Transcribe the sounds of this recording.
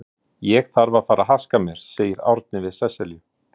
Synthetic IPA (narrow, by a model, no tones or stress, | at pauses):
jɛɣθaɾvaðfaːɾaɦaskamjɛɾ̥seːjɪɾa̰wɾt̪̚nɪvɪðsɛsɛljʏ